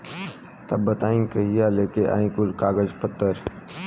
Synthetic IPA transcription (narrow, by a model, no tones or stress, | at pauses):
t̪ɐbːət̪aːĩkɐɦijaleːkeʔa̰ːĩkʊlkaːɡəd͡ʒpət̪ːəɾ